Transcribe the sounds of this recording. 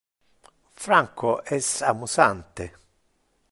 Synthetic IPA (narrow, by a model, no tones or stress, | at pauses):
fɾaŋkɔʔɛsamusant̪e